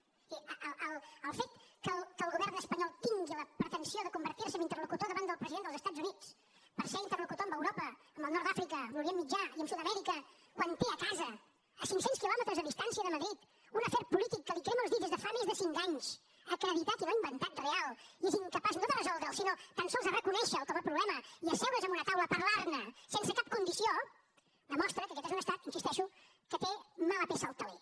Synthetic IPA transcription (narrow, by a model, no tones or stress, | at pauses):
iəəəlˠəlˠfet̪kəlˠkəːlɣuβɛrnəspəɲɔlˠt̪iŋɡiləpɾət̪ənsioðəkumbəɾt̪iɾsəmbint̪ərlukut̪oðəβand̪əlˠpɾəziðend̪əzəst̪ad͡zunit͡s | pəɾseɾint̪ərlukut̪oəmbəwɾopəːmbəlˠnɔɾrd̪afɾikəmuɾiemid͡ʒaiəmsuðəmɛɾikə | kwant̪eəkazəː | siŋksenskilɔmət̪ɾəzəðist̪ansiəðəməðɾit̪ | unəfɛɾpulit̪ikːəlikɾeməlˠzðid̪ezðəfamezðəsiŋkaɲs | əkɾəβit̪at̪ilaimbənt̪at̪̚realˠieziŋkəpasnoðərəzɔlˠd̪ɾəlˠsinot̪ənsɔlˠzðərəkunɛʃəːlˠkəmapɾuβlɛməiəsɛwɾəzəmbunət̪awləpəɾlarnəsensəkap̚kund̪isio | d̪əmɔst̪ɾəkəkɛt̪ezunəst̪at̪insist̪ɛʃu | kət̪emaləpesəːlˠt̪əlḛ